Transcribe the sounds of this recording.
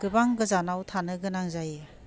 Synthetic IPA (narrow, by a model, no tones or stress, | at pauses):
ɡ̥ɯbaŋɡɯzanawtʰanɯɡɯnaŋzaj